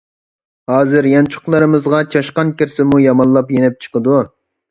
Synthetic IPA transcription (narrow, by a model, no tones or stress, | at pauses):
hɑːzɨɾjɑnt͡ʃʰʊ̥χlˠɨɾɨmɨzʁɑt͡ʃʰɑʃqɑnkʲɪɾsɪmujɑmɑnlˠɑpjenɛp̚t͡ʃʰə̥qəd̪u